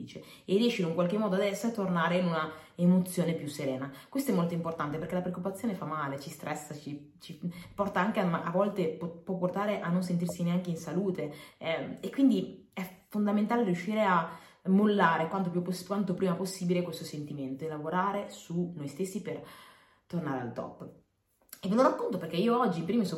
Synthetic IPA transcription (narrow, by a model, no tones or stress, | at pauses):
iːt͡ʃe | erːiɛʃiloiŋkwalk̟emːɔːd̪oad̪ɛsːoat̪ːornaːɾeinunaemot̪sjoːnepjusːeɾɛːnakwest̪oɛmolt̪oimport̪ant̪eperk̟elapɾeokːupat̪sːjoːnefamːaːlet͡ʃist̪ɾʔɛsːat͡ʃi | t͡ʃipɔrt̪aaŋk̟eamaʔavːɔlt̪eppːwɔpːort̪aːɾeʔanːons̬ent̪irsineaŋk̟einsaluːt̪eɛekwind̪i | ɛfond̪ament̪aːlerjuʃːiːɾea | mːolːaːɾekwant̪opjupːoskwant̪opɾiːmaposːiːbilekwest̪osent̪iment̪oelːavoɾaːɾesunojst̪esːiper | t̪ornaːɾea̰lt̪ɔ̰pː | eveloɾakːont̪operkɛiːoɔd͡ʒːipɾiːmisɔ